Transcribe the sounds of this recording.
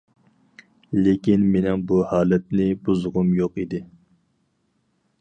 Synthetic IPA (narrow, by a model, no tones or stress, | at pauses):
lekʲinmenɪŋbuhɑːlɛt̪̚nɪbuzʁʊmjoqid̪ɪ